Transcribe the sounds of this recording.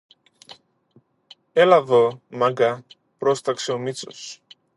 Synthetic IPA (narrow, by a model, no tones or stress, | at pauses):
elavomaɡa | pɾost̪ɐkseomit͡so̰s